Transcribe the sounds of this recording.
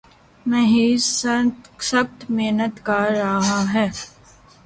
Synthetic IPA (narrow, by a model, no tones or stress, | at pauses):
mɛ̃ːɦi | sək̚t̪meːnət̪kaɾaɦaɦɛː